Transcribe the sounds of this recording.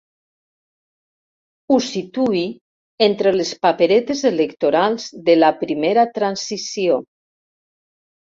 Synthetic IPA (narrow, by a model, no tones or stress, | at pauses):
usit̪ui | ent̪ɾelespapeɾet̪ezelekt̪oɾalˠzd̪elapɾimeɾat̪ɾansisio